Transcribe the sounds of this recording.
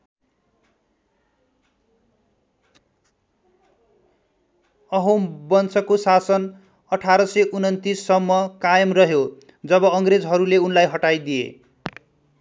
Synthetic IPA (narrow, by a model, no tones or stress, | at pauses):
ʌɦobʌnsʌkosasʌn | ʌʈʰaɾʌsʌʔunʌnt̪isːʌmːʌkajʌmrʌɦjo | d͡zʌbʌʌŋɡred͡zɦʌɾuleunlajɦʌʈajd̪ijḛ